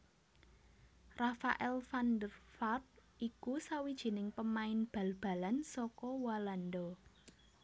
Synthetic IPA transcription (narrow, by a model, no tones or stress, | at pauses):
rafaʔɛlfand̪ərfarp̚ʔikusawid̥ʒ̥i̤nɪŋpəmaɪnb̥a̤lb̥ä̤lansɔkɔwalandɔ